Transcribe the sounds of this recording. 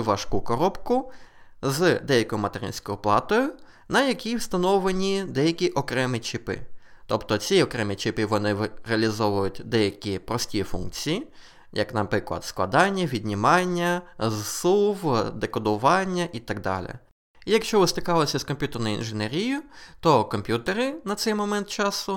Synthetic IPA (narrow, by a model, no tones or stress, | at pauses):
ʋɐʃkukɔɾɔpkʊzd̪ɛjɐkɔjʊmɐt̪eɾɪ̰nʲsʲkɔjʊplˠɑt̪ɔjʊ | nɐjɐkʲiwst̪ɐnɔʋlˠenʲid̪ɛjɐkʲiʔɔkɾɛmɪt͡ʃɪpɪ̰t̪ɔpt̪ɔt͡sʲiɔkɾɛmit͡ʃɪpɪʋɔnɪɾeɐlʲizɔʋʊjʊtʲd̪ɛjɐkʲipɾɔsʲtʲijfunk̚t͡sʲiji | jɐ̰knɐ̰pɾɪklˠɐ̰d̪sklˠɐ̰d̪ɑnʲːɐʋʲid̪ʲnʲimɑnʲːɐzsuwd̪ekɔd̪ʊʋɑnʲːɐʔit̪ɐɡ̚d̪ɑ̰lʲɪ̰ | ijɐkʃt͡ʃɔʋɪst̪ɪkɑlˠɔsʲɐskɔmpʲut̪ernɔjʊḭnʒɪneɾʲijʊt̪ɔkɔmʲpʲjut̪eɾɪnɐt̪sɛjmɔmɛnt̪̚t͡ʃɑsʊ